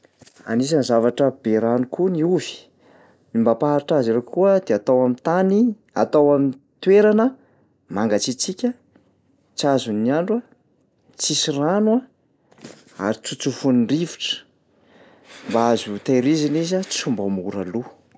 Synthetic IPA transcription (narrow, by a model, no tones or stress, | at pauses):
a̰nis̬anzavaʈ͡ʂəb̥eɾanukuniuvi̥ | imbapaaɾʈ͡ʂaziɾekuəd̪eat̪awamint̪ani | a̰t̪awamin | t̪weɾanə | maŋɡat͡sit͡sikʲə | t͡sazuniaɳɖ͡ʐwa | t͡sisiranua | a̰ɾit͡sut͡sufunɳɖ͡ʐivi̥ʈ͡ʂə̥ | mbaazut̪aɾizinizat͡sumbəmuɾa̰lu